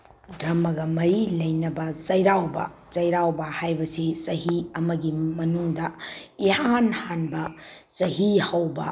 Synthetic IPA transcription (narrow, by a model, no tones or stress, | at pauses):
dɾɐmɐɡɐmɐɾilɐjnɐbɐsɐjɾawbɐ̰sɐjɾawbɐhajbɐsisɐɦiɐmɐɡimɐnuŋdɐihanhanbɐsɐɦihɐwbɐ̰